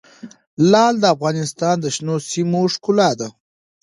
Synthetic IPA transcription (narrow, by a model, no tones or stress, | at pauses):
lɑld̪əafɣɑnɪst̪ɑnd̪əʃnosimoʂkʊlɑd̪a